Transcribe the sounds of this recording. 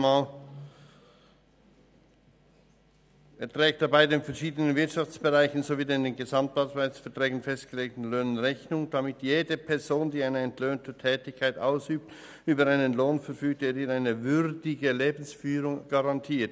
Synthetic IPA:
maːl | eːɐtʁ̥ɛːktd̥abaɪdeːnfɛɐʃiːdənənvɪɐtʃɑft͡sb̥əʁaɪçn̩zoviːdendeːnɡəzamtaːtvaɪsfɛɐtʁ̥ɛːɡn̩fɛstɡ̥əleːk̚tn̩løːnənʁɛçnʊŋd̥amɪtjeːdəpʰɛɐzoːndiːaɪnəɛntʰløːntʰətʰɛːtɪçkʰaɪtaʊsyːp̚t | ʔyːbɐʁaɪnənloːnfɛɐfyːk̚teːɾiːaɪnəvʏʁdɪɡəleːbn̩sfyːɾʊŋɡ̥aʁɑntʰiːɐt

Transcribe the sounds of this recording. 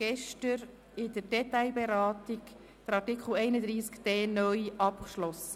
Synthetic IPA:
ɡ̥ɛʃtəɾ | ɪdəɾdɛtaɪbɛɾɑːtɪk | d̥əɾɑɾtɪkχl̩ɛɪnəd̪ɾiːskd̥ɛːnœjʔɑpkʃlɔs

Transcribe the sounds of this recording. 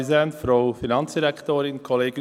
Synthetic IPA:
zɛnfɾowfinɑnsd̪iɾɛkt̪oːɾɪnkʰɔleːɡ

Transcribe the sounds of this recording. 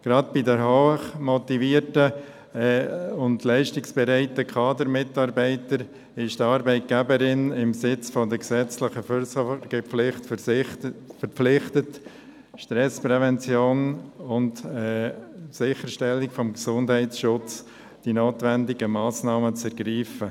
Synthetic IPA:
ɡ̥ɾɑdb̥idəɾɦoːχmɔtiviːɾtə | ʊndlæɪʃtɪksb̥ɛɾɛɪtəkʰɑːdəɾmɪtɑɾbæɪtəɾ | ɪʃtɑːɾbɛɪt̚ɡ̥æbəɾɪnɪmsɪt͡sfɔdəksɛt͡slɪχəsɡ̥əlɪχt | fəɾpflɪχtət | ʃtɾɛspɾɛvɛnt͡sjoːnʊntɛsɪχəʃtɛlɪkfɔmɡsʊndhɛɪtsʃʊt͡s | d̥inoːtʋɛndɪɡəmɑːsnɑːmət͡sɛɾɡɾiːfə

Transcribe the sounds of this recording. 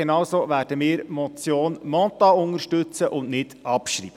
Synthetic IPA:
enɑwsoːʋæːɾd̥əmiːɾmɔt͡sjoːnmɔtɑʊŋəɾʃtɵt͡səʔʊnnɪdɑpʃɾḭːbə

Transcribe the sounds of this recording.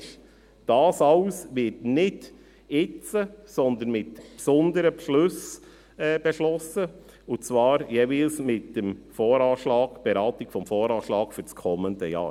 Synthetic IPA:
d̥ɑːsɑʊsʋɪtnɪd | ɪt͡səsɔnd̪ənmɪtpsɔndəɾəpʃlɵs | ɛb̥ɛʃlɔsə | ʊt͡svɑːɾjeːvilsmɪt̚d̥əmfoːɾɑːʃlɑːɡb̥ɛɾɑːtɪkfɔmfoːɾɑːʃlɑːkfyɾt͡skʰɔməndəjɑ̰ː

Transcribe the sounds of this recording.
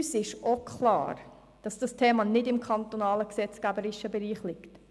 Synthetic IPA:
ysɪʃokχlɑ̰ːɾ | d̥ɑsd̥ɑstʰeːmɑnɪdɪmkʰɑnt̪onɑːləksɛt͡skæbəɾɪʃəbɛɾiːχlɪkt

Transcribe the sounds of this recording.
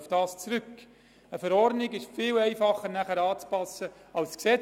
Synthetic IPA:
fd̥ɑːst͡sɾʏk | əfəɾɔrdnɪɡɪʃfɪːlɛɪfɑχːəɾnæχəɾɑːt͡spɑsə | ɑlsksɛ

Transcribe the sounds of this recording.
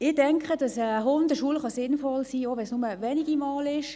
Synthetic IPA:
ɪd̥ɛŋkχəd̥ɑsəɦʊndəʃuəlχɑsɪnfɔlsiːoʋɛnsnʊməʋɛniɡ̥imɑːlɪʃ

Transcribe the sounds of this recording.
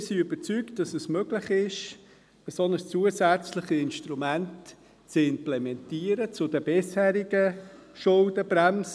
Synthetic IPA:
siʏb̥ət͡sykt̚d̥ɑsɛsmøɡlɪχɪʃ | b̥ɛsɔnd̪əst͡suːəsæt͡sləχiɪnʃtɾumænt | t͡sɪmplɛmɛntiːəɾət͡sʊdəb̥ɪshæːɾiɡəʃʊldəbɾæms

